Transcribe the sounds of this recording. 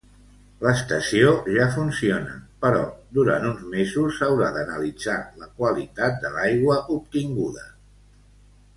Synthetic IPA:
ləst̪əsioʒafunsionə̰pəɾɔ̰d̪uɾa̰nt̪unzmezusːəwɾaðənəlid͡zaləkwəlit̪at̪̚d̪əlajɣwəʔup̚t̪iŋɡuðə

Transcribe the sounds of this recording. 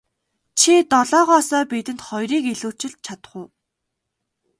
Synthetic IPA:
t͡ɕʰit̪ɔɮɔːʁɔːsɔːpet̪ɘ̆nt̪χɔjɾiːkeɮuːt͡ɕɪ̆ɮ̚t͡ɕʰat̪ə̥̆χʊː

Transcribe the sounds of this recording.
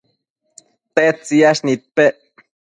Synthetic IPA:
t̪et͡siaʃnit̪̚peʔ

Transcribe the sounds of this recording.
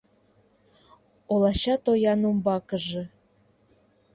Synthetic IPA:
olˠɑɕɑt̪ojɑnumbɑkə̆ʒĕ

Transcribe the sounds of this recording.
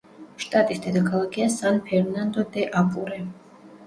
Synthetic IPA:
ʃt̪ʼat̪ʼisd̪ɛd̪akʰalˠaɡiasanpʰɛɾnand̪ɔd̪ɛʔapʼuɾɛ

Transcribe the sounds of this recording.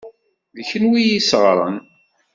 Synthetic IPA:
ðəçənwijisʁɾˤə̰n

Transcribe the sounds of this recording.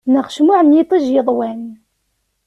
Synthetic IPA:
nəʁʃmʊʕənjit̪ˤiʒjəðˤwæn

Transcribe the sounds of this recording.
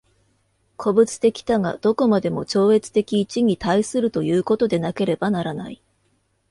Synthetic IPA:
kʰo̞bɯ̟t͡sɨ̥t̪e̞kʲi̥t̪aŋa̰d̪̥o̞ko̞mad̪e̞mo̞t͡ɕo̞ːe̞t͡sɨ̥t̪e̞kʲiːt͡ɕiɲ̟it̪aisɨɾɯ̟t̪o̞jɯ̟ːko̞t̪o̞d̪e̞nake̞ɾe̞banaɾana̰i

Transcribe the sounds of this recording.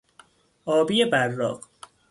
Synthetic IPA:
ʔɒːbijebærːɒ̰ːq

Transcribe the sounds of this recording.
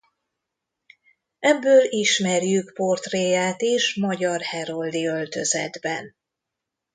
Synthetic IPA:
ɛbːøːliʃmɛrjykpo̞rt̪reːjaːt̪eːʃmɒɟɒrhɛɾold̪iølt̪ø̞zɛ̰d̪bɛ̰n

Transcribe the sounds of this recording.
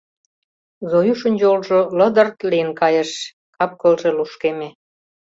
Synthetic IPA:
zojuʃə̆nʲd͡ʑolʒolə̆d̪ə̆rt̪lijənkɑjĕʃ | kɑp̚kə̆lʒeluʃkeme

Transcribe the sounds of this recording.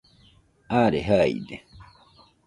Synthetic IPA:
aːɾeɦaḭd̪e

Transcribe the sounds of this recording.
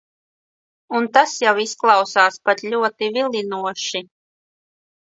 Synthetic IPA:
unt̪asjawisklˠɑwsaːspat̪lʲuɔt̪ivilʲˠinuɔʃi

